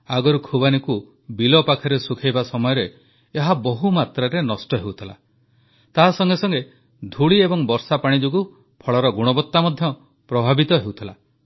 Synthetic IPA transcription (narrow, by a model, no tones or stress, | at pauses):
aɡɔɾukʰubaniku | bilɔpakʰaɾesukʰajbasɔmɔjɔɾeː | ɦabɔɦumat̪ɾaɾenɔsʈɔɦewt̪ʰila̰ | t̪aɦasɔŋɡesɔŋɡe | d̪ʱuɭiebɔŋbɔɾsapaɽ̃id͡ʒoɡu | pʰɔɭɔɾɔɡuɽ̃ɔbɔt̪ːamɔd̪ʱjɔ | pɾɔbʱabit̪ɔɦewt̪ʰila̰